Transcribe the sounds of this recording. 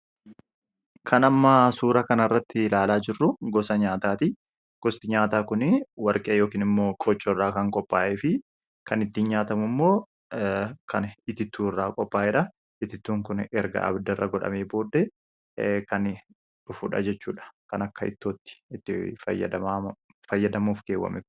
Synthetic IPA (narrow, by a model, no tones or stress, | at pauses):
kʰɐnɐmːɐsuːɾɐkɐnɪrːɐt̪ːɪlaːlaːd͡ʒɪrːʊɡɔsɐɲaːt̪aːt̪ɪ | ɡ̥ɔst̪ɪɲaːt̪aːkʊnɪwɐɾkʼeːjo̞ːkiːnɪmːoːkʼɔt͡ʃːɔrːaːkɐŋkʼɔpʼːa̰ːʔeːfɪ | kɐnɪt̪ːiɲɲaːt̪ɐmʊmːo̞ː | kʰɐnɪt̪ɪt̪ːuːrːaːkʼɔpʼːaːʔɛᶑɐ | ɪt̪ːɪt̪ːuːŋkʊnɛɾɡɐ̰ʔɐ̰bd̪ɐrːɐ̰ɡɔᶑɐ̰meːbo̞ːd̪ːɛ | kɐn | ᶑʊfʊᶑɐ̰d͡ʒɛt͡ʃːuːᶑɐ̥kɐnɐkːɐɪ̰t̪ːoːt̪ːɪ̥ɪt̪ːɪfɐj̰ːd̪ɐ | fɐjːɐd̪ɐmuːfɡeːwːɐ̰mɛ̰k